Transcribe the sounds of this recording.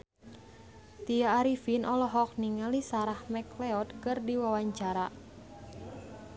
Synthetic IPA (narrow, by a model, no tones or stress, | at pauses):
t̪ijaːɾifinʔɔlɔɦɔk̚niŋalisaɾahmɛkleɔt̪̚kɨrdiwawaɲt͡ʃaɾa